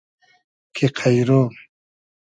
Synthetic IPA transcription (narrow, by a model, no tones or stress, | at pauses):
kʰeqʰajɾo